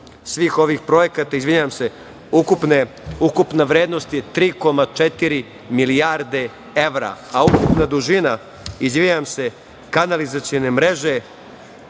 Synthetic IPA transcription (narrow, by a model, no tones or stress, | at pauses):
sʋiːxo̞ʋiːxpɾo̞je̞kat̪aizʋiɲaamse̞ | ukupne | ukupnaʋɾeːd̪nost̪jet̪ɾiːko̞mat͡ʂet̪iɾi | milijaɾd̪e̞ | e̞ʋɾa̰aukupnad̪uʒina | izʋiɲamse̞ | kanalizat̪sione̞mɾe̞ʒe̞